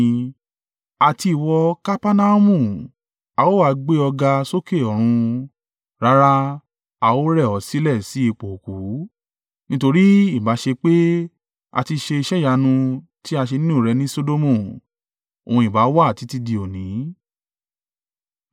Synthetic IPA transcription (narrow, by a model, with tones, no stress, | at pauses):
a˨ti˧i˨wɔ˧ka˦pa˦na˦mũ˦˨ | a˨˧wo˦a˨˦ɡ͡be˦ɔ˧ɡa˧so˦ke˦˨ɔ˨ɾ̃ũ˧ | ɾa˧˦ɾa˧ | a˧wo˦ɾɛ˦˨ɔ˨˦si˦lɛ˦˨si˨˦i˦˨k͡po˨ku˨˦ | nĩ˦to˧ɾi˦i˦˨ba˨˦ʃe˧k͡pe˦ | a̰˧ti˧ʃe˧i˧ʃɛ˦ja˧nũ˧ | ti˦a˧ʃ̬e˧nĩ˦ũ˦˨ɾɛ˧nĩ˦so˦do˦mũ˦˨ | o̰˨ũ˧i˨ba˨˦wa˦a˨ti˨˦ti˦di˧o˨nĩ˨˦